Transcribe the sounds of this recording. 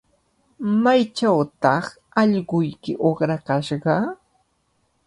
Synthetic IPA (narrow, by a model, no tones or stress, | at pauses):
majt͡ʃawt̪ɑχ | ɑʎɢʊjkɪʔoχɾakaʃɢɑ